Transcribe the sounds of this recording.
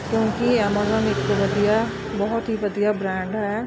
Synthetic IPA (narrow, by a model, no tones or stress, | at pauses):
kʲjõːkiɛmaːzɔːnɪt̪koʋɐd̪ija | bɐɦʊt̪ɦiʋɐd̪ijabɾɛ̃ːɳɖɦɛː